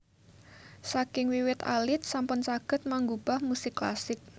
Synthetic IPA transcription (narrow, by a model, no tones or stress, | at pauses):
sakɪŋwiwɪt̪a̰lɪt̪̚sampʊnsaɡ̥ə̤t̪̚maŋɡub̥a̤hmusɪkːla̰sɪk̚